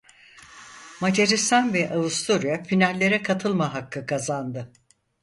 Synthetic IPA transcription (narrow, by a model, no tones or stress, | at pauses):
mad͡ʒaɾist̪ʰanvɛʔaust̪ʰoɾijafinalʲːe̞ɾɛkʰat̪ʰɯlˠmaɦakːɯkʰazand̪ɯ